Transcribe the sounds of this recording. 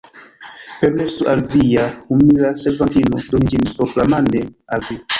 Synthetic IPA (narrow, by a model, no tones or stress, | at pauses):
peɾmesuʔalvijahumiɾasevantinodonid͡ʒinpɾoklamandealvi